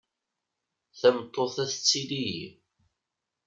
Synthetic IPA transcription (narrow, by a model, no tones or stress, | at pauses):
θæmt̪ˤːoθæθət͡sːiliji